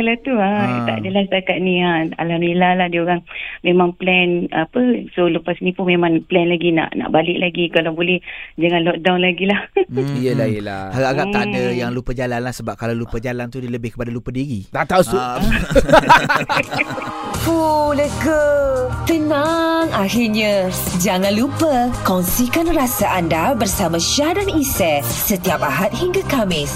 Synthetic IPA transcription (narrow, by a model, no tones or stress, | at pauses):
kalat̪uat̪a̰ʔadəlahst̪akaʔ̪̚nĩaa̰lamilahlahdiəoɣaŋmemãŋplɛnapəsoləpasnĩpʊnmemãŋplɛnlaɡina̰ʔna̰ʔbalɪʔlaɡikalabolɛhd͡ʒaŋãnlɔk̚dawnlaɡilahjəlaəlahaɡaaɡaʔt̪adəjaŋlupəd͡ʒalanlahsəbap̚kalawlupəd͡ʒalant̪udələbɪhkə̥padalupədiɣit̪aʔt̪ausu | fuləɡət̪ənaŋahɪrɲãd͡ʒaŋãnlupəkɔŋsikanrasaʔandabərsamãʃiadanisɛ | sət̪iapaɦat̪̚hiŋɡakamɪs